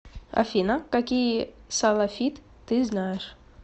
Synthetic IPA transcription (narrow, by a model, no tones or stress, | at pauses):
ɐ̰fʲinakɐkʲijsɐlˠɐfʲit̪ːɨznajɪʂ